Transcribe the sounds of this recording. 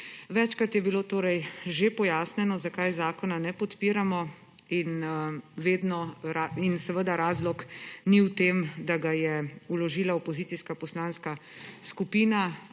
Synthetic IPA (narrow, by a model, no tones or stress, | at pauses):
ʋɛt͡ʃkɾat̪jɛbiloːt̪oːɾɛjʒepɔjaːsnɛnɔzakajzaːkɔnanɛpɔt̪piːɾamɔ | inʋeːd̪nɔɾainsɛʋəd̪aɾaːzlɔkniwt̪eːmd̪aɡajɛulɔʒiːlaɔpɔziːt̪siskapɔslanskaskupiːna